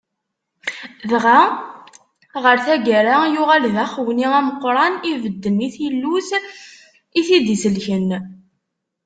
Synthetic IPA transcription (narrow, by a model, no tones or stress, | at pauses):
ðʁa | ʁəɾθæɡæɾajʊʁælðæχwniæməqːɾˤɑnivəd̪ːəniθjəlːus | iθid̪isəlçən